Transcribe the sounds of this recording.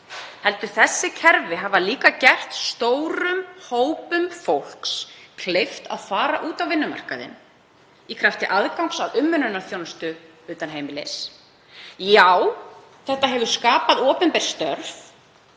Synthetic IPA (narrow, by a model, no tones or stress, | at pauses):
hɛlt̪ʏɾ̥θɛsːɪcʰɛɾvɪɦavaliːkacɛr̥t̪st̪owɾʏmhoːwpʏmfowl̥kskʰlejft̪a̰ðfaːɾaʔuːt̪awvɪnːʏma̰r̥ka̰ðɪ̰n | ikʰɾaft̪ɪʔaðkawŋksaðʏmːʏnʏnaθjownst̪ʏ | ʏːt̪anɦeːjmɪlḛs | jaw | θɛht̪aɦɛvʏ̥skaːpaðɔːpɛnpɛɾ̥st̪œɾf